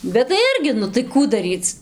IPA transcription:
bʲɛt tɐɪ ˈɪrʲɡʲɪ ˈnʊ tɐɪ ˈkuː dɐˈrʲiːt͡s

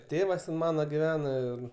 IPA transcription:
ˈtʲeːʋɐs ˈmɑːnɐ ɡʲɪˈʋʲæːnɐ ɪr

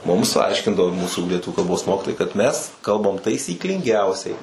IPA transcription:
ˈmʊms ˈɐɪʃʲkʲɪndɐʋoː ˈmuːsuː lʲiɛˈtʊʋʲʊ kɐlˠˈboːs ˈmoːkʲɪtoːjɛɪ kɐt ˈmʲɛs ˈkɐlˠbɐm tɐɪsʲiːklʲɪŋʲˈɡʲɛʊsʲɛɪ

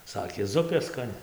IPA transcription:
ˈsɑːkʲeː ˈzʊpʲeː skɐˈnʲɪ

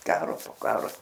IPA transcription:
ˈkɑːroː poː ˈkɑːroː

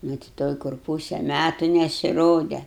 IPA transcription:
nʊ tʲɪ ˈtoːj kʊr ˈpuːsʲɛ ˈmʲætʊ nʲɛsʲɪˈroːdʲɛ

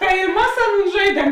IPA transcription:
tɐɪ ɪ ˈmɐs ˈɑːˌnuːn ˈʒɐɪdʲiɛm

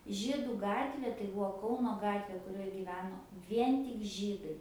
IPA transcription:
ˈʒʲiːdʊ ˈɡɑːtʲʋʲeː tɐɪ ˈbuɔ ˈkɐʊnoː ˈɡɑːtʲʋʲeː kʊˈrʲoːj ɡʲiːˈʋʲæːnoː ˈʋʲiɛn tʲɪk ˈʒʲiːdɐɪ

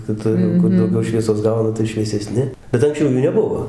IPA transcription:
kʲɪˈtʊr jɛʊ ˈkʊr dɐʊˈɡʲɛʊ ˈʃʲʋʲiɛsoːs ˈɡɐʊnɐ tɐɪ ʃʲʋʲiɛsʲɛˈsʲnʲɪ bʲɛt ɐŋksʲˈt͡ʃʲɛʊ ˈjuː nʲɛˈbʊʋoː

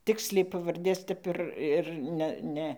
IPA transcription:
ˈtʲɪksʲlʲɛɪ pɐʋɐrʲˈdʲeːs ˈtʲɛp ɪr ɪr ˈnʲɛ ˈnʲɛ

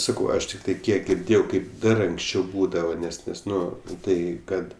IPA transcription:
ˈsɑːkɐʊ ˈɐʃ tʲɪkˈtɐɪ ˈkʲiɛk ɡʲɪrʲˈdʲeːjɛʊ ˈkɐɪp ˈdɐr ɐŋksʲˈt͡ʃʲɛʊ ˈbuːdɐʋɐ ˈnʲɛs ˈnʲɛs ˈnʊ ˈtɐɪ ˈkɐt

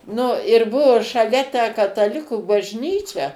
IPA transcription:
nʊ ɪr ˈbuɔ ʃɐˈlʲɛ tʲæː kɐtɐˈlʲɪkuː bɐʒʲˈnʲiːt͡ʃʲɛ

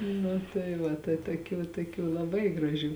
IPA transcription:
nʊ tɐɪ ˈʋɐ tɐɪ toːˈkʲuː toːˈkʲuː lˠɐˈbɐɪ ɡrɐˈʒʲuː

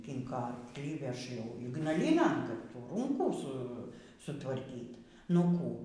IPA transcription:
ˈkʲɪŋkoː ɐrklʲiː ˈʋʲɛʃ jɛʊ iːɡnɐˈlʲiːnɐn ˈkɐt ˈtuː ˈruːŋkuː ˈsʊ sʊtʋɐrʲˈkʲiːtʲ nʊ ˈkuː

